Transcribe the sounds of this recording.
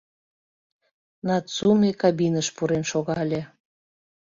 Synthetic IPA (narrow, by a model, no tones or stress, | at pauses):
nɑt̪t͡sumekɑbinəʃpuɾenʃoɣɑlʲe